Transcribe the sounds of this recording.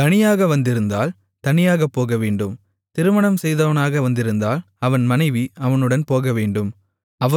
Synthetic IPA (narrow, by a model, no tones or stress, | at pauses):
t̪ɐnɪjaːɣɐʋɐnd̪ɪɾɯnd̪aːl | t̪ɐnɪjaːɣɐpːoːɣɐʋeːɳɖɯm | t̪ɪɾɯmɐɳɐmsɛjðɐʋɐnaːɣɐʋɐnd̪ɪɾɯnd̪aːl | ɐʋɐnmɐnɐɪʋiɐʋɐnɯɽɐnpoːɣɐʋeːɳɖɯm | ɐʋɐ